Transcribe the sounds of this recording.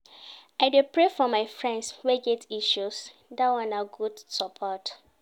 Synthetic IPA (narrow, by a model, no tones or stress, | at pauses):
aɪdepɹefɔmaɪfɹɛ̃ndswɛɡɛtiʃusdawãnaɡudsɔpʰɔt